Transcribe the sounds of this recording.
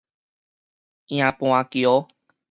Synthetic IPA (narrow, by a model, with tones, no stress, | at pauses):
ĩ˧ã˧põ˧ã˧ki˨o˦